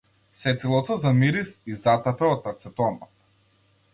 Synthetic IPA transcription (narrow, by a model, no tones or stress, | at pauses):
sɛt̪ilˠɔt̪ɔzamiɾisizat̪apɛɔt̪ːat̪sɛt̪ɔna